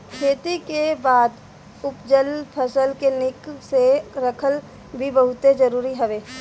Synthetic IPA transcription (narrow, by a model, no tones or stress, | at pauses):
kʰeːt̪ikebaːd̪ | ʊpd͡ʒəlpʰəsəlkenɪkseɾəkʰəl | bʱibəɦʊt̪ed͡ʒəɾuːɾiɦɐʋeː